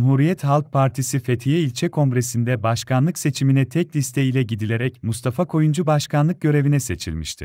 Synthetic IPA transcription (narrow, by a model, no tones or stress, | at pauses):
mhuːɾijɛt̪halˠk̚pʰaɾt̪ʰisife̞t̪ʰijɛilʲt͡ʃʰɛkʰo̞ŋɡɾe̞sind̪ɛbaʃkʰanlˠɯkse̞t͡ʃʰiminɛt̪ʰɛclʲist̪ʰeilʲɛɟid̪ilʲe̞ɾɛcmust̪ʰafakʰo̞jund͡ʒubaʃkʰanlˠɯk̚ɟø̞ɾevinɛse̞t͡ʃʰḭlʲmiʃt̪ʰḭ